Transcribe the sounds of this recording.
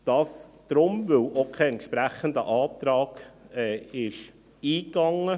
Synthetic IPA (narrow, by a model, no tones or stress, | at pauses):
d̥ɑːsd̥ɾʊmʋɪwokʰeɛnt̪ʃpɾæχənd̪ə̰ʔɑːt̪ɾɑːɡ̥ɛːɪʃ | iːkɑŋːə